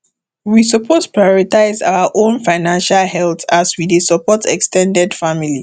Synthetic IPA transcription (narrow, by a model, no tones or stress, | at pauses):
wisɔpʰospɹajɔɹitaɪza̰ʊaʔõnfaɪnãnʃalhɛltaswidesɔpɔtɛ̰kstʰɛ̃ndɛdfamili